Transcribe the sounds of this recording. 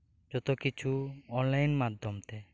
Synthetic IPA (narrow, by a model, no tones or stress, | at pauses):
d͡ʒɔt̪okit͡ʃʰuɔnlajnmad̪ʱːɔmt̪e